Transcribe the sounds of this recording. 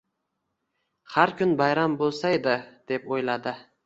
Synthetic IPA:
haɾkʰʲʊnbajɾambolˠsaed̪ɪd̪̥e̞pojlad̪ɪ

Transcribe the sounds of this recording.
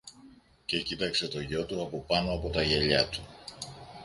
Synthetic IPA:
ce̞cit̪ɐkse̞t̪o̞ʝo̞t̪uɐpo̞pɐno̞ɐpo̞t̪ɐʝe̞ʎɐt̪u̥

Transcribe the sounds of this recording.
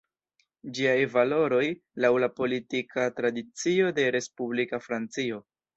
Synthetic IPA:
d͡ʒiajvalo̞ɾo̞jlawlapo̞litikʰatɾadit͡sio̞de̞ɾe̞spublikafɾant͡sio̞

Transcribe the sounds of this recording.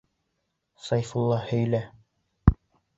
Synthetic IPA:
sɑjfulˠːɑhɵ̆jlæ

